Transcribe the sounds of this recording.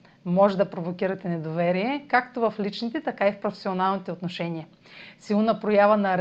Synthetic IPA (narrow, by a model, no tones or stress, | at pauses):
mɔʒɛd̪ɐpɾovokʲiɾɐt̪ɛnɛd̪ovɛɾiɛkak̚t̪ovɐflit͡ʃnit̪ɛt̪ɐkaifpɾofɛ̥sionalˠnit̪ɛot̪noʃɛniɐ | silˠonɐpɾojavɐnɐɾ